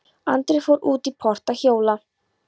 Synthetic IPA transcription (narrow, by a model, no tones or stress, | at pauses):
ant̪ɾɪfowɾuːt̪ipʰɔr̥t̪açoːwla